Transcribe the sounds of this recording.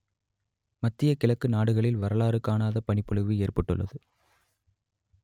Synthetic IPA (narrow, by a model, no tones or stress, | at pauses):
mɐt̪ːɪjɐkɪɭɐkːɯnaːɽɯɣɐɭɪlʋɐɾɐlaːɾɯkːaːnaːðɐpɐɳɪpːɔɭɯʋɯeːrpɐʈːɯ̰ɭːɐ̰ðɯ